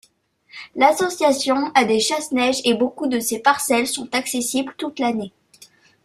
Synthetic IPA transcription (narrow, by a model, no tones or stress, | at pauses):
lasɔsjasjɔ̃ad̪eʃasnɛʒebokud̪əsepaʁsɛlsɔ̃t̪aksesiblt̪ut̪lane